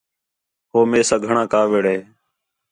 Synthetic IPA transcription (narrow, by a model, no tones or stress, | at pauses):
ɦoːmeːsãːɡʱəɳãːkaːʋeːɽeː